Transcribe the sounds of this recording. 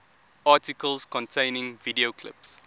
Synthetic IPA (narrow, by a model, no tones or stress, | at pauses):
ɑːˑtikəlskɔ̃ntʰẽɪnɪ̃ŋvidiokʰlɪ̰ps